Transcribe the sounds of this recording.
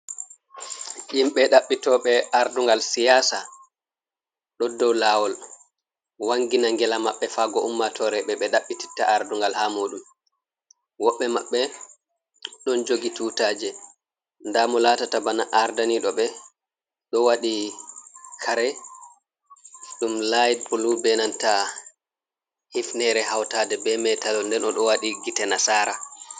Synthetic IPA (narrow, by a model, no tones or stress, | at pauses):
ʔimɓɛɗaɓːitɔːɓɛʔaɾduŋɡalsijaːsa | ɗɔdːɔwlaːwɔl | waŋɡinaŋɡɛlamaɓːɛfaɡɔʔumːatʰɔɾɛɓɛɓɛɗaɓːiti̥tːaʔaɾduŋɡalhaːmoːɗum | wɔɓːɛmaɓːɛ | ɗɔnd͡ʒoɡituːtaːd͡ʒɛ | ndamɔlatatabanaʔaɾdaniɗɔɓɛ | ɗɔwaɗi | kʰaɾɛ | ɗumlajd̚bulubɛnanta | hifnɛɾɛhawtaːdɛbɛmɛtalɔndɛnɔɗɔwaɗiɡitɛnasaːɾa